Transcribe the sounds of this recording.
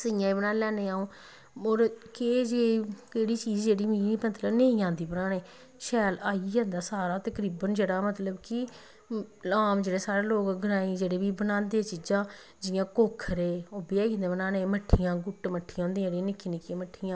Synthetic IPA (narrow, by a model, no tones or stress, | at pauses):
səjãːibənãːlɛːneːaːõː | oːɾked͡ʒeːkeːɽiːt͡ʃiːd͡ʒd͡ʒeːɽiːmiːiət̪ləbnẽĩãːnd̪iːbənaːneː | ʃɛːlaːiɛ̃ːnd̪aːsaːɾaːt̪əkɾiːbənd͡ʒeːɽaːmət̪ləbkɪ | laːmd͡ʒeːɽeːsaːɾeːloːkɡʱəɾaːiːd͡ʒeːɽeːbiːbənãːnd̪eːt͡ʃiːd͡ʒãː | d͡ʒɪjãːkoːkʰəɾeːoːbɪjaːĩnd̪eːbənaːnẽːməʈʰːijãːɡʊʈːməʈʰːiːãɦõːnd̪iːãːɽĩːnɪkʰːiːnɪkʰːiãːməʈʰːijãː